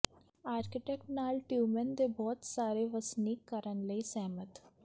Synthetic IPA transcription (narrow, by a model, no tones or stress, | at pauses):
aːɾkɪʈɛk̚ʈnaːlʈjuːmənd̪ebɔːt̪saːɾeʋəsnikːəɾənləisɛːmət̪